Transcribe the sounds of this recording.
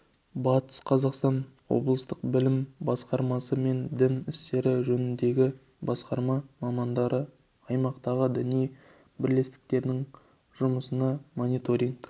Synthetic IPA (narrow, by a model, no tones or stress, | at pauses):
bɑt̪ə̥sqʰɑzɑqst̪ɑnwo̞̰blˠəst̪əq̚bɪlɪmbɑsqɑɾmɑsəme̞nd̪ɪnɪst̪e̞ɾɪʒɵnɪnd̪e̞ɡʲɪ | bɑsqɑɾmɑmɑmɑnd̪ɑɾə | ɑjmɑqt̪ɑʁəd̪ɪnij | bɪɾle̞st̪ɪ̥k̚t̪e̞ɾnɪŋ | ʒʊməsənɑmo̞nijt̪o̞ɾiŋk